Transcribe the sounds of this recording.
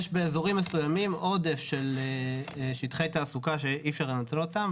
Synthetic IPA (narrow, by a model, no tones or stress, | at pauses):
jeʃbeːzo̞ʁimːesujamimʔo̞d̪efʃeleʃit̪χejt̪aːsukaʃe̞ʔifʃaʁlenat͡seot̪am